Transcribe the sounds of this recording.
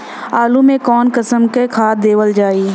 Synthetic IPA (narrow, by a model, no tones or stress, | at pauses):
aːlũmẽkɔːnkəsəmkekʰaːt̪̚d̪eːʋəld͡ʒaːiː